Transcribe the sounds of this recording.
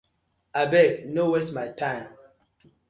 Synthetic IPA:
abɛɡnowesmaɪtʰãɪm

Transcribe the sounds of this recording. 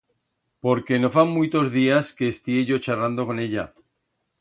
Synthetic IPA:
po̞ɾke̞no̞fammujt̪o̞zðiaske̞ːst̪ieʝo̞t͡ʃarland̪o̞ko̞ne̞ʎa̰

